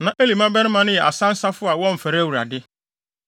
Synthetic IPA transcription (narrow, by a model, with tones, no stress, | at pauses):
nã˨ʔe˦li˨mã˦bɛ˦nɪ̃˦mã˦nʊ̃˦jɛ˨a̰˨sã˦n̩˦sa˦fʊ˦a˨wɔ̃˦m̩˨fɛ˨ɾæ˦wu˨ɾa̰˨dɪ˦